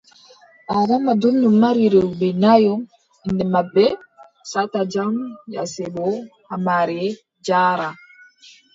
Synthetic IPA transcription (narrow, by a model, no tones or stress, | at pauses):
ʔaɡɔmːadonːumːaɾiɾɛbɛnajɔ | indɛmabɛ | satad͡ʒamjasɛɓɔhamaɾɛ | d͡ʒaːɾa